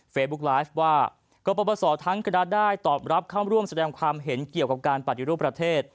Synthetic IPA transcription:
feː˧t̪̚bu˦˥k̚laː˦˥jfwaː˥˩ | kɔ˧˩pɔː˧bɔː˧sɔː˩˦t̪ʰa˦˥ŋkʰa˧na˦˥daː˥˩jt̪ɔː˨˩p̚ɾa˦˥p̚kʰaː˥˩wɾu˥˩əmsa˧dɛː˧ŋkʰwaː˧mɦe˩˦nki˨˩əwka˨˩p̚kaː˧npa˨˩t̪ʰːi˧˦ɾu˥˩pːɾa˧t̪ʰeː˥˩t̪̚

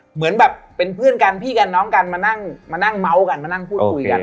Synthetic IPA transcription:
mɯ˨˩˦ənbɛː˨˩p̚ːe˧npʰɯ˥˩ənka˧npʰiː˥˩ka˧nːɔː˦˥ŋka˧nmaː˧na˥˩ŋmaː˧na˥˩ŋma˦˥wka˧nmaː˧na˥˩ŋpʰuː˥˩t̪̚kkʰu˧jka̰˧n

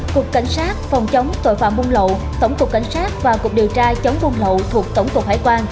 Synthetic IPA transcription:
kʊ˨˩kka˧˩jŋ̟saː˦˥t̚fɔ˨˩wŋ͡mt͡ɕə˨˦wŋ͡mt̪o̰˧˨jfa̰ː˧˨mvʊ˧ŋ͡mlo̰˧˨ | t̪ə˧˩wŋ͡mkʊ˨˩kːa̰˧˩jŋ̟saː˦˥t̚vaː˨˩kʊ˨˩ək̚ɗi˨˩əwt͡ɕaː˧t͡ɕə˨˦wŋ͡mvu˧nlo̰˧˨t̪ʰu˨˩ək̚t̪ə˧˩wŋ͡mkʊ˨˩k̚haː˧˩jkwaː˧n

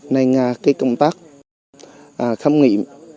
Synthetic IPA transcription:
na˧jŋaː˨˧˩kaː˨˦jkə˧wŋ͡mt̪aː˦˥k̚ | ʔaː˨˩xə˧mŋḭ˧˨əm

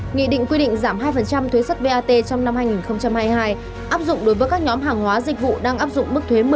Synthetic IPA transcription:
ŋḭ˧˨ɗḭ̈˧˨ŋ̟kwi˧ɗḭ̈˧˨ŋ̟zaː˧˩mhɦaː˧jfə˨˩nt͡ɕa˧mt̪ʰwe˨˦sə˦˥t̚ve˧ʔaː˧t̪e˧t͡ɕɔ˧wŋ͡mna˧mhaː˧jŋi˨˩nxə˧wŋ͡mt͡ɕa˧mhaː˧jɦaː˧j | ʔaː˦˥p̚zʊ̰˧˨ŋ͡mɗo˨˦jvəː˨˦jkaː˦˥k̚ɲɔ˨˦mɦaː˨˩ŋɦwaː˨˦zï˨˩k̟̚vṵ˧˨ɗaː˧ŋʔaː˦˥p̚zʊ̰˧˨ŋ͡mmɨ˦˥k̚t̪ʰwe˨˦mɨ˨˩˨

